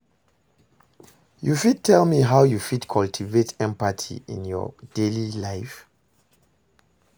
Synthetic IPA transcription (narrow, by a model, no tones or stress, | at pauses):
jufid̚tʰɛlmiɦaʊjufidkʰɔltʰivetʰɛ̃mpatʰḭḭ̃njɔ̰d̥elilaɪf